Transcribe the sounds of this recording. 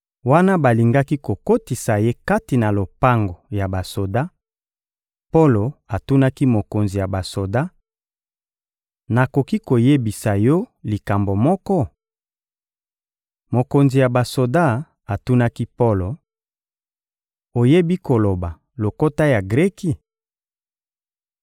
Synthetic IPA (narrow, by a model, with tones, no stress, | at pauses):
wa˦na˦ba˨li˨ŋɡa˦ki˦ko˨ko˦ti˨sa˨je˦ka˦ti˨na˨lo˨pa˦ŋɡo˨ja˨ba˨so˨da˦ | po˦lo˨a˨tu˦na˦ki˦mo˨ko˨nzi˨ja˨ba˨so˨da˦ | na˨ko˨ki˦ko˨je˦bi˨sa˨jɔ˦li˨ka˨mbo˨mɔ˦kɔ˦ | mo˨ko˨nzi˨ja˨ba˨so˨da˦ | a˨tu˦na˦ki˦po˦lo˨ | o˨je˦bi˦ko˨lo˨ba˨ | lo˨ko˦ta˦ja˨ɡʁɛ˦ki˦